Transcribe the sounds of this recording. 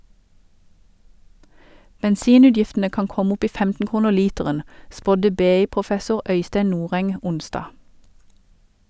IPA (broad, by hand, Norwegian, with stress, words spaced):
bɛnˈsiːˌnʉːdjɪftənə ˈkɑːn ˈkɔm ˈʊp ˈiː ˈfɛmtn̩ ˈkuːnəʁ ˈliːtɛʁən ˈspɔdə ˈbeːˌiːpʁʊˌfɛsʊʁ ˈœʏsteɪ ˈnuːʁɛŋ ˈʊnsdɑː